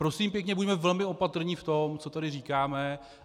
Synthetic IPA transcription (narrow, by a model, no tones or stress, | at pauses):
pɾosiːmpjɛkɲɛbudɛmɛvɛlmɪo̞pat̪r̩ɲift̪o̞mt͡so̞t̪adɪriːkaːmɛ